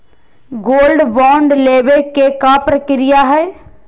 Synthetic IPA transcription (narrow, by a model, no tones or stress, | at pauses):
ɡoːlɖbɔːɳɖleːʋekekapɾəkɪɾɪjaɦɛː